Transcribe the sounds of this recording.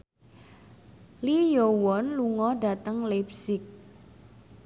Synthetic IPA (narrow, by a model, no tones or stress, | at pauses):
lijowɔnluŋɔɖa̤t̪əŋlɛp̚sɪk̚